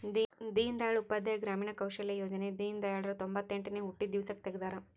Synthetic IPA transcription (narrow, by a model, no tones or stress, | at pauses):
d̪id̪iːnd̪aːjɐɭupːɐd̪ʱːɐjɐɡɾaːmiːɳɐkɐwʃɐljɐjoːd͡ʒɐned̪iːnd̪ɐjaːɭɐɾɐt̪ombɐt̪ːeɳʈneuʈːid̪iʋsɐk̚t̪eɡed̪aːɾɐ